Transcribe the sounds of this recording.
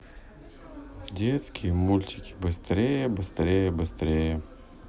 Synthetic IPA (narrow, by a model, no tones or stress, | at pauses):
dʲet̪skʲɪjəmulʲt̪ʲɪ̥kʲɪ̥bɨst̪ɾʲejəbɨst̪ɾʲejəbɨst̪ɾʲejə